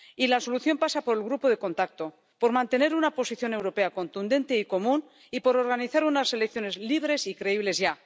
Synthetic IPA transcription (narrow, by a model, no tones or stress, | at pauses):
ilaso̞luθjo̞mpasapo̞ɾe̞lɣ̞ɾupo̞ðe̞ko̞nt̪ak̚t̪o̞ | po̞ɾmãnt̪e̞ne̞ɾunapo̞siθjo̞ne̞wɾo̞pe̞ako̞nt̪und̪e̞nt̪e̞iko̞mũn | ipo̞ɾo̞ɾɣaniθaɾunase̞lek̚θjo̞nezliβ̞ɾe̞sikɾe̞iβle̞zʝa